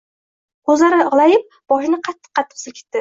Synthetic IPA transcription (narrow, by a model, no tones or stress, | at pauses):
ɵzlaɾɪɨʁlˠajɪp̚ | b̥ɒʃɪnɪqʰɑt̪ʰːɨ̥qʰːɑt̪ʰːɪ̥qsɪlkʰʲe̥t̪ːɪ